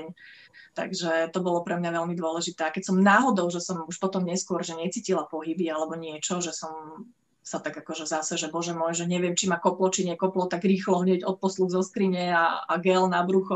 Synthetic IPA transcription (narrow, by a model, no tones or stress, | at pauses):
ɲ | t̪a̰ɡʒɛt̪ɔbɔlɔpɾɛmɲaʋɛʎmid̪ʊɔlɛʒit̪ɛːakɛcsɔmnaːɦɔd̪ɔʊʒɛsɔmuʃpɔt̪ɔmɲɛskʊɔɾʒɛɲɛt͡siːcilapɔɦibialɛbɔɲɪɛt͡ʃɔʒɛsɔm | sat̪aɡakɔʒɛzasɛʒɛbɔʒɛmɔjʒɛɲɛʋɪɛmt͡ʃimakɔplɔt͡ʃiɲɛkɔplɔt̪aɡɾiːxlɔɦɲɛɟɔt̪̚pɔsluɣzɔskɾiɲɛaa̰ɡɛlnabɾuxɔ